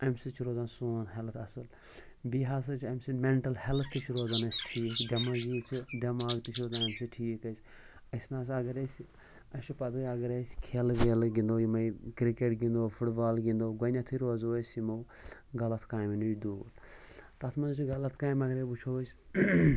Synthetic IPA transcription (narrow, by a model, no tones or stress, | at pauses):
ɐmʲsɨt͡ʃʰiɾoːzaːnsoːnɦelt̪ʰɐsɨl | biɦas̬ɐt͡ʃʰɐmʲsɨmeɳʈɐlhelt̪ʰːɨt͡ʃʰiɾoːzanɐsʈʰiːkɖɐmazit͡ʃʰiɖʲɐmaːɡt̪it͡ʃʰɾoːzanɐmʲsɨʈʰiːkɐsʲ | ɐsnaːs̬ɐɡɐɾɐs | ɐʃipɐd̪uɐɡɐɾɐsʲkʰelʋelɡĩnd̪oːjimɐjkɾikeʈɡĩnd̪oːfʰuʈbaːlɡĩnd̪oːɡɐnat̪ʰuiɾoːzoːsimo | ɡɐlɐt̪ʰkaːjminut͡ʃʲd̪uːɾ | t̪ɐt̪ʰmɐnzɐt͡ʃʰiɡɐlɐt̪ʰkaːjmɐɡɐɾebut͡ʃʰoʋɐs